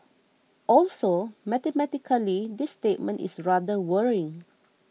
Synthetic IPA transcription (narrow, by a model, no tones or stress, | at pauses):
ʔɔlsomɛt̪ɛmɛtikʰəlidisːtet̚mə̃nʔḭsɹadəwəɹɪ̃ŋ